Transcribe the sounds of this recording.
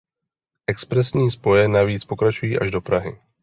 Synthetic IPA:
ʔɛkspɾɛsɲiːspo̞jɛnaviːt͡spo̞kɾat͡ʃujiːʔaʒdo̞pɾaɦɪ

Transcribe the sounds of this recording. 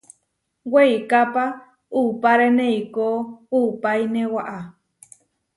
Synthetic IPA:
wejkapa | upaɾeneikoupajnewaʔa

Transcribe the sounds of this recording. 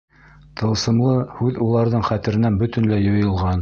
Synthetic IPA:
t̪ʰɤ̆lˠsɤ̆mlˠɤhʉðulˠɑɾðɤɴχæt̪ɘ̆ɾɘ̆nænbɵ̆t̪ɘ̆nlæjŏjɤ̆lˠʁɑn

